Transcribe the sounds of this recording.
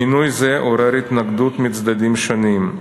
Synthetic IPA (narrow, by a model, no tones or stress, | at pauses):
inujzeʔoɾeɾit̪naɡd̪ut̪mit͡sd̪ad̪imʃonim